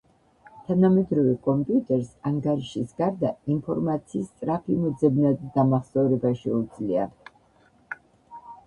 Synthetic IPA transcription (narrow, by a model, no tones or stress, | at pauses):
t̪ʰanamɛd̪ɾɔvɛkʼɔmpʼiut̪ʼɛɾsaŋɡaɾiʃisɡaɾd̪ainpʰɔɾmat̪sʰiːst̪sʼɾapʰimɔd̪zɛbnad̪ːamaχsɔɾɛbaʃɛud̪z̥lia̰